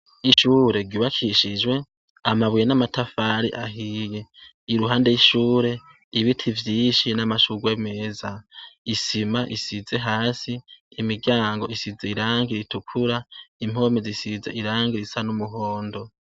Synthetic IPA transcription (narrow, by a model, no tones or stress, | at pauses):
iʃuɾe̞ɾɡuːβakʰiʃid͡ʒɡwe̞ | amaβwjenamatʰafaːɾḭʔaɦije | iɾuɦaːnde̞jiʃuːɾe̞ | iβitʰivjiːʃinamaʃuɡwe̞me̞ːzaisimaʔisize̞ɦaːsiːmiɡjaːŋɡo̞isizeiɾaːŋɡiɾitukʰuɾaim̥o̞mezisizeiɾaːŋɡiɾisanumuɦoːndo̞